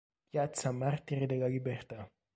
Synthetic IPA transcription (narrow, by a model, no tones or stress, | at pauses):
jat͡samart̪iɾid̪eɡaɡibeχt̪a